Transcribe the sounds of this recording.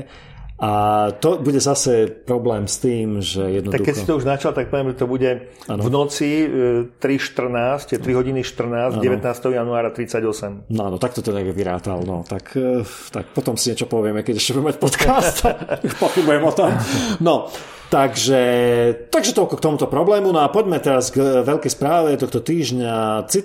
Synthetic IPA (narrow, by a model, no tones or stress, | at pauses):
ʔat̪ɔbuɟɛzasɛpɾɔblɛːmst̪iːmʒɛjɛd̪nɔad̪ukːɛcsi̥t̪ɔuʒnat͡ʃalt̪ak̚pɔʋɪɛmʒɛt̪ɔbuɟɛ | anvnɔt͡sit̪ɾiʃt̪r̩naːscɛɾiɦɔɟiniʃt̪r̩naːzɟɛʋɛt̪naːst̪ɛɦɔjanuaːɾat̪ɾit͡saɟɔsɛmnɔaːnɔt̪ak̚t̪ɔt̪ɔɲɛɡɛʋiɾa̰ːt̪a̰lnɔ̰t̪akʰ | t̪a̰kpɔt̪ɔmsiɲɛt͡ʃɔpɔʋɪɛmɛkɛɟɛʃcɛbuɟɛmɛmacpɔt̪kʰast̪pɔxibujɛmɔt̪ɔmnɔ | t̪aɡʒɛt̪aɡʒɛt̪ɔlkɔkt̪ɔmut̪ɔpɾɔblɛːmunɔapɔɟmɛt̪ɛɾazɡʋɛʎkɛjspɾaːʋɛt̪ɔxt̪ɔt̪iːʒɲat͡si